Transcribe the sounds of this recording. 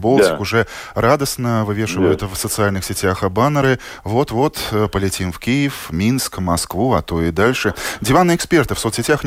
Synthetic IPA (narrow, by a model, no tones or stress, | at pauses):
bɔlˠt͡sʲɪkʊʐɛrad̪əsnɐvɨvʲeɛʂɨvəjʊt̪fsət̪sɨalʲnɨxsʲɪt͡sʲaxabanɐɾɨ | vɔt̪vɔt̪pəlʲɪt͡sʲimwkʲijɪfmʲinskmaskvuat̪oid̪alʲʂɨd͡zʲivanɨɛksʲpʲɛrt̪ɨfsɔt̪sʲɪt͡sʲax